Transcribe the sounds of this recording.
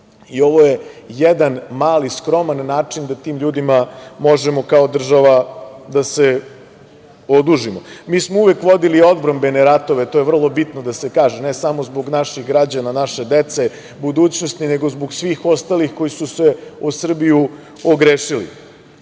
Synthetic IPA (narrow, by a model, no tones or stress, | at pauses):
io̞ʋojejed̪anmaːliskɾo̞manːaːt͡ʂind̪at̪iːmʎuːd̪imamo̞ʒemo̞kao̞d̪r̩ʒaʋad̪ase | od̪uʒimomiːsmouʋekʋo̞d̪ilio̞d̪bɾambeneɾat̪o̞ʋet̪ojevr̩lˠo̞bit̪nod̪asekaːʒenesamo̞zboɡnaʃiɣɡɾad͡ʑananaʃed̪et̪se̞ | bud̪uːt͡ɕnost̪nineɡo̞zboɡsʋiːxo̞st̪alixko̞jisuseusr̩biju | oɡɾeːʃilḭ